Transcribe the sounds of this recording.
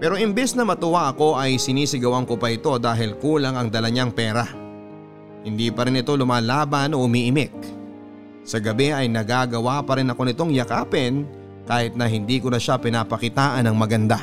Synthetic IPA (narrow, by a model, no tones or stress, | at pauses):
pɛːɾo̞ʔɪmbɛsnɐmɐt̪ʊwaʔɐko̞ʔɐjsɪniːsɪɡɐwaŋkopɐʔɪt̪o̞d̪aːɦɪlkuːlɐŋɐŋd̪ɐlɐɲaŋpɛːɾɐ | hɪnd̪iːpɐɾɪnɪt̪o̞lʊmaːlaːbɐno̞ʔʊmiːʔɪmɪk̚ | sɐɡɐbɛʔɐjnɐɡaːɡɐwapɐɾɪnɐko̞nɪt̪o̞ŋjɐkaːpɛn | kaːhɪt̪̚nɐɦɪnd̪iːkonɐʃapɪnapɐkɪt̪aːʔɐnɐŋmɐɡɐnd̪a